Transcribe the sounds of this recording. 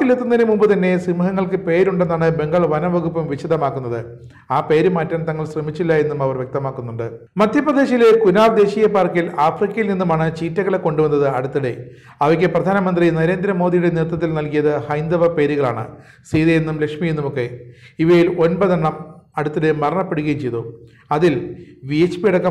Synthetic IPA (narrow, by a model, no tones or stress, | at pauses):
ilet̪ːunːɐinemumbɨt̪ɐnːe̞simuɦɐŋːɐɭkɨpe̞ːɾuɳɖenːaːɳɨbe̞ŋɡɐɭʋɐnɐʋɐɣupːɐmʋiɕɐd̪ɐmaːkːunːɐðɨ | aːpe̞ːɾumaːtːɐnt̪ːɐŋːɐɭɕrɐmit͡ɕːilːɐe̞nːumɐʋɐrʋje̞k̚t̪ɐmaːkːunːuɳɖɨ | mɐd̪ʱjɐprɐd̪e̞ːɕile̞kunaːʋd̪e̞ːɕijɐpaːrkːilaːfrikːɐjilninːumaːɳɨt͡ɕiːtːɐɣɐɭekːo̞ɳɖuʋɐnːɐðɨɐɽut̪ːɐɽe | ɐʋɐkʲːɨprɐd̪ʱaːnɐmɐnd̪rinɐɾe̞ːnd̪ɾɐmo̞ːd̪ijuɽe̞nirt̪ːɐt̪ːilnɐlkijɐðɨhɐjnd̪ɐʋɐpe̞ːɾiɣɐɭaːɳɨ̰ | siːðɐjenːumle̞kʂmijenːumokːe̞iʋɐjilo̞nbɐðɐɳːɐmɐɽut̪ːiɽemɐrɐɳɐpːe̞ɽuɣɐjimt͡ɕejt̪u | ɐðilʋijet͡ɕpiɽɐkːɐ